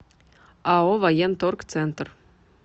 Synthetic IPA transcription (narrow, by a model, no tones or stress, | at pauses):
aovajent̪orkt̪sɛnt̪r